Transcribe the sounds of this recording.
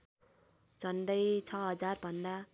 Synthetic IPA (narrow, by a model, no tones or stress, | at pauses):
d͡zʌnd̪ʌjt͡sʰʌɦʌd͡zarbʱʌnd̪a